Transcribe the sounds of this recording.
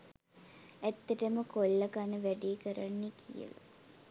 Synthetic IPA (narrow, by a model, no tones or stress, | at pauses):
æt̪ːɐʈəməkolːəkanəʋæɖikəɾanːikʰijə̰la̰